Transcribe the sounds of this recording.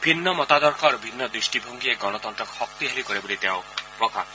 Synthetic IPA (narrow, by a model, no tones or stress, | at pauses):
bʱinːɔmɔt̪ad̪ɔɾkʰɔɾobʱinːɔd̪ɾisʈibʱoŋɡieɡɔñɔt̪ɔntɾɔkhɔk̚t̪iɦaɾikɔɾebolit̪eaʊpɾɔka̰